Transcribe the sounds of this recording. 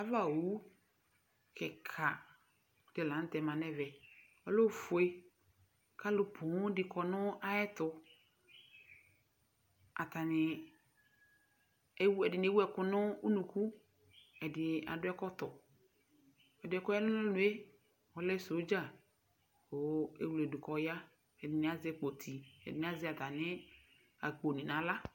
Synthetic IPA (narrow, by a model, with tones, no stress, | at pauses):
a˨va˦˨o˨˦u˦ | kʰɛ˨kʰa˨ | d̥ɪ˨lã˨n̩˦t̪ɛ˨mã˨nɛ˦vɛ˨ | ɔ˨lo˦fʊ˨e˦ | ka˦lʊ˨pʰʊ˨˦ŋ˦dɪ˨kʰɔ˨nʊ̃˦a˦ɛ˦t̪ʊ˨ | a̰˨t̪a˨nɪ˨˦ | wɛ˨dɪ˨n˨e˨˦wɛ˨kʊ˦nʊ˦u˦nũ˨ku˦ | ɛ˨dɪ˨a̰˨dʊ˦ɛ˦kɔ˦t̪ɔ˨ | ɛ˨dʊ˨˦ɛ˦kɔ˦ja˦lʊ˦nʊ̃˦lʊ˨e˦ | wɔ˨lɛ˦so˨˦d͡ʒa˦˨ | o˨ḛ˨wlɛ˨dʊ˨kɔ˨ja˦ | ɛ˨dɪ˨nɪ˨a˨zɪ˦ɛ˦k͡po˨t̪ʰi˨ɛ̰˨dɪ˨n˨˦a˦zɪ˦a˨t̪a˨nɪ˦ | a̰˨k͡po˨nɪ̃˨nã˨˦la˦